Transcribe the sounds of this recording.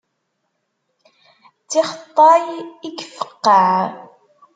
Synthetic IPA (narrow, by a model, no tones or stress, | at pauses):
t͡sːɪχət̪ˤːɑjikːfə̥qːɑʕ